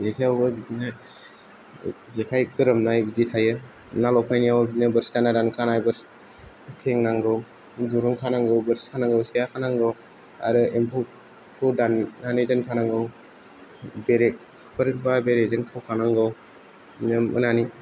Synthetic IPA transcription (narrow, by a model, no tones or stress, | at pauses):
zekʰiawɯbitnɯ | zekʰajkɯɾɯmnajbizitʰajɯ | nalɔpʰajnijawbitnɯbəɾstanadankʰanajbɯɾs | kʰeŋnaŋɡɯw | d͡ʒuɾɯŋkʰanaŋɡɯwbɯɾskʰanaŋɡɯwsejakʰanaŋɡɯw | a̰ɾɯempʰo | kɯdanːanedɯnkʰanaŋɡɯw | beɾekʰ | pʰəɾɯt̚babeɾezɯnkʰawkʰanaŋɡɯw | nɯmʔɯ̰nani